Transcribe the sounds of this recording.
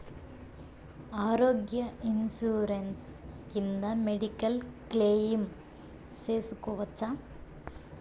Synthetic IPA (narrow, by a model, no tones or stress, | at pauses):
aːɾoːɡjɐinsuːɾenskind̪ɐmeɽikɐlkleːjim | seːsukoʋɐt͡ʃːa